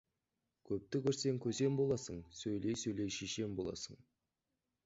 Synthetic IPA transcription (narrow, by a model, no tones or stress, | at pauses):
kʲʰɵp̚t̪ɪkʲʏɾse̞ŋkʲʰɵze̞mbo̞lˠɑsəɴsɵjle̞jsɵjlejʃeʃe̞mbo̞lˠɑ̰səɴ